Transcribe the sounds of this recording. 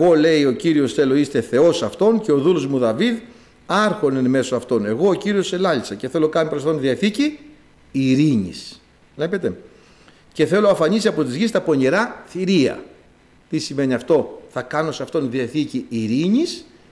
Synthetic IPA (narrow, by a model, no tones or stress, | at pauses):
ɣo̞le̞jo̞ciɾio̞sθe̞lo̞ist̪e̞θe̞o̞sɐft̪o̞nce̞o̞ðulo̞zmuðɐvið | ɐɾxo̞neme̞soɐft̪o̞ne̞ɣo̞ːciɾio̞se̞lɐlisɐce̞θe̞lo̞kɐmipɾosɐft̪o̞nðiɐθici | iɾiɲḭs | lepet̪e̞ | ce̞θe̞lo̞ɐfɐɲisiɐpo̞t̪izʝist̪ɐpo̞ɲiɾɐθiɾiɐ̰ | t̪isime̞ɲiɐft̪o̞θɐkɐno̞seɐft̪o̞nðiɐθiciːɾiɲis